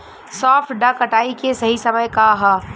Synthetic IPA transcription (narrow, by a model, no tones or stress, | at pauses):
sɔːpʈɖakɐʈaːikesɐɦisɐməjkaɦɐ